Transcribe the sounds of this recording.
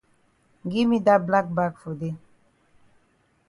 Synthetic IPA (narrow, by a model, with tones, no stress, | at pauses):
ɡi˦mi˦da˦bla˦k̚ba˦kfo˨de˦